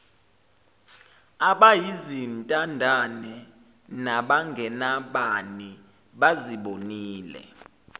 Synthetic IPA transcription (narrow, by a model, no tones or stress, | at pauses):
aɓajizintʼandʱanɛ | naɓaŋɡʱɛnaɓani | ɓaziɓoniːlɛ̰